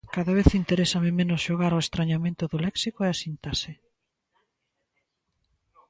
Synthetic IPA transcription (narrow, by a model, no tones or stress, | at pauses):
kaðaβ̞eθint̪eɾesɐmɪmẽnʊsʃoɣaɾoest̪ɾaɲamẽnt̪ʊðʊlɛksikoeasint̪asɪ